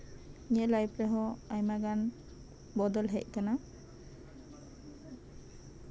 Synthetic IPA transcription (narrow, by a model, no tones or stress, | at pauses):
ɲɛʔlajpɹɛɦɔajmaɡan | bɔd̪ɔlɦɛc̚kana